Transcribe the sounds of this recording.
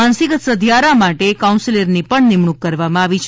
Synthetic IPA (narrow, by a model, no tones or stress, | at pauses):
ansikət̪səd̪ʱjaɾamaʈekaũnsiləɾnipəɳnɪmɳukːəɾʋamãaʋit͡ʃʰ